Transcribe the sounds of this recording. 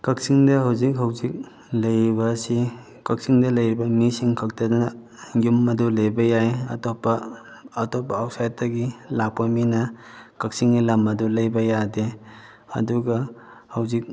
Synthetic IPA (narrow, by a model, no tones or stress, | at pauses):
kɐk̚siŋdɐɦawzikɦɐwzik̚ | lɐjɾibɐsi | kɐk̚siŋdɐlɐjɾibɐmisiŋkʰɐk̚tadanɐ | jumɐdulejbɐjajɐ̰tɔpːɐː | tɔpːaːwsajt̚tɐɡilak̚pɐminɐ | kɐk̚siŋnilɐmɐdulɐjbɐjade | ɐ̰duɡɐhɐwzik̚